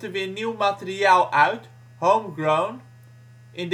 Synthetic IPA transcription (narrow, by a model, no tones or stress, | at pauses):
təʋɪːniwmatəriaːlˠœɥt | howmɡrown | ʔɪ̃nd